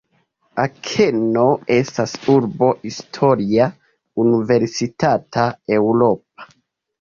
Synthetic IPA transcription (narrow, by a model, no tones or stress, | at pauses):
akʰeno̞e̞stasuɾbo̞histʰo̞ɾia | unive̞ɾsitatae̞wɾo̞p̚ḁ